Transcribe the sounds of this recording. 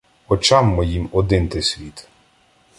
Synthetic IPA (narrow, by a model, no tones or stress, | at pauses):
ɔt͡ʃɑmːɔjimɔd̪ɪnt̪ɪsʲʋʲit̪